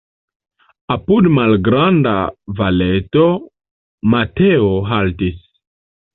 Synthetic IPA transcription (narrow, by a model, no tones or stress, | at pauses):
apudmalɡɾanda̰valeto | mateoɦaltis